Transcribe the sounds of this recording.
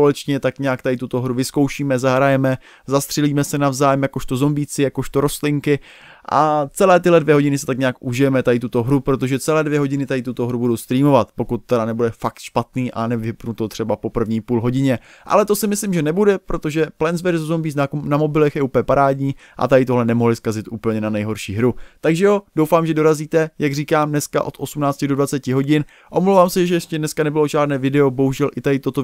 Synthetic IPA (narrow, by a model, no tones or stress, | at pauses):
olɛt͡ʃɲɛt̪akɲaakt̪adɪt̪ut̪o̞ɦɾuvɪskowʃiːmɛzaɦɾajɛmɛ | zast̪r̥ɛliːmɛsɛnavzaːjɛmjako̞ʃt̪ozo̞mbiːt͡sɪjakoʃt̪oɾo̞st̪lɪŋkɪ | ʔa̰t͡sɛlɛːt̪ɪɦlɛdvjɛɦoɪnɪsɛ̥t̪akɲaːkʔuʒɪjɛmɛt̪adɪt̪ut̪o̞ɦɾupɾot̪o̞ʒɛt͡sɛlɛːdvjɛɦo̞ɟɪnɪt̪adɪt̪ut̪oɦɾubudo̞wst̪ɾiːmo̞vat̪po̞kut̪ːɛɾanɛbudɛfakt̪ʃpat̪niːʔanɛvɪpnut̪ot̪r̝̥ɛbapo̞pr̩vɲiːpuːlɦo̞ɟɪɲɛ | ʔa̰lɛt̪o̞sɪmɪslɪmʒɛnɛbudɛpɾo̞t̪o̞ʒɛplɛnzvɛɾzozombiːt̪namo̞bɪlɛxjɛʔuːpɲɛpaɾaːdɲiː | ʔa̰t̪adɪt̪o̞ɦlɛnɛmo̞ɦlɪskazɪt̪ʔuːpl̩ɲɛnanɛjɦo̞ɾʃiːɦɾut̪aɡʒɛjod̥o̞wfaːmʒɛdo̞ɾaziːt̪ɛjaɡriːkaːmnɛska̰ʔo̞t̪ʔo̞sumnaːt͡scɪdo̞dvat͡sɛcɪɦo̞ɟɪn | ʔo̞mlowvaːmsɛjɛʒɛjɛʃcɛdnɛskanɛbɪlo̞ʒaːdnɛːvɪdɛo̞boɦuʒɛlʔɪt̪adɪt̪ot̪o